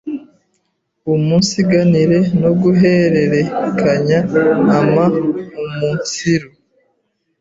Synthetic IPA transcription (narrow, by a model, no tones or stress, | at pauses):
umunsiɡaniɾe̞noɡuɦeɾe̞ɾe̞kʰaɲaːmaumuːnsiɾo